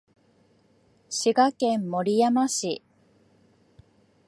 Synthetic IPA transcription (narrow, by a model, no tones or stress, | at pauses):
ɕiɡakẽ̞mːo̞ɾʲijamaɕi